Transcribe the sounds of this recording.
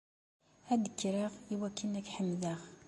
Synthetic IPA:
æd̪əkːɾiʁiwækːinækħəmðəʁ

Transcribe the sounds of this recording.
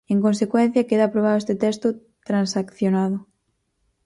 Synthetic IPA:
eŋkonsekwɛn̟θjakeðaːpɾoβ̞aðoest̪et̪ɛst̪ʊ | t̪ɾansakθjonaðʊ

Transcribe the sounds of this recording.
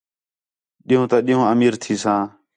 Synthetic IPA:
ɗɪːõːt̪ãːɗiːɦõːəmiːɾt̪ʰiːsãː

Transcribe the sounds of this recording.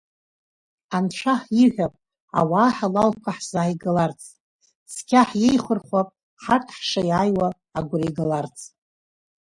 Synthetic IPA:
ant͡ʃʷʰaħiħʲʷᶣapʼ | a̰waːħalalkʷʰaħz̥aːjɡalart͡sʰʼ | skʲʰaħjejχərχʷapʼ | ħartʰħʂajaːjwaː | ɡʷʊraɡalart͡sʰʼ

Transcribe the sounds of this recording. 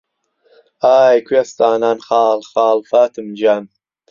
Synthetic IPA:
aːjkʰwest̪aːnaːnxaːlxaːlfaːt̪ʰɨmd͡ʒaːn

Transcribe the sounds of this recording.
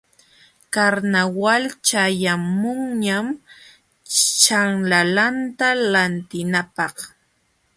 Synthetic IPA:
kaɾnawalt͡ʃajamʊŋɲam | t͡ʃaŋlalant̪alant̪ɪnapɑχ

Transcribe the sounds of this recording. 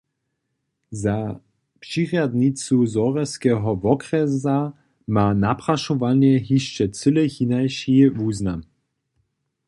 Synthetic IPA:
za | pʃiʁjad̪nit͡suzɔʁɛskɛːɦɔvɔkɾɛza | manapʁaʃɔvanjɛɦiʃt͡ʃɛt͡səlɛçinajʃivuːznam

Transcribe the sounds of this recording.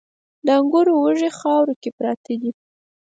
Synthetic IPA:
d̪əaŋɡʊɾowəʐexɑwɾokepɾɑt̪ed̪i

